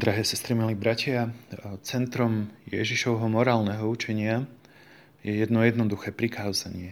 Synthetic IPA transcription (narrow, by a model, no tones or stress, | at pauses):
d̪ɾaɦɛːsɛst̪ɾimiliːbɾacɪat͡sɛnt̪ɾɔmjɛ̰ʒiʃɔʊɦɔmɔɾaːlnɛɦɔut͡ʃɛɲɪa | jɛjɛd̪nɔjɛd̪nɔd̪uxɛːpɾikaːzaɲɪɛ